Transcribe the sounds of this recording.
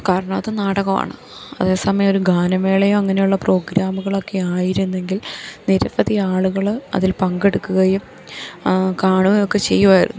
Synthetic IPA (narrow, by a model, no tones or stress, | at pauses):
kaːɾɐɳɐmɐðɨnaːɽɐɣɐma̰ːɳɨ | ɐ̰ðe̞ːsɐmɐjɐmo̞ɾuɡaːnɐme̞ːɭɐjomɐŋːɐne̞juɭːɐpro̞ːɡɾaːmuɣɐɭo̞kːe̞aːjiɾunːe̞ŋɡilniɾɐpɐðiaːɭuɣɐɭɐ̰ðilpɐŋɡe̞ɽukːuɣɐjum | kaːɳuɣɐjo̞kːe̞t͡ɕe̞̰jːuʋaːjiɾṵnːu